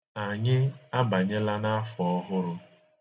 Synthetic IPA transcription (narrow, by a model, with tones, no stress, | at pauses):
a˨ɲɪ˦a˦ba˨ɲɪ˦la˦na˦fɔ˦ɦʊ˦ɾʊ˦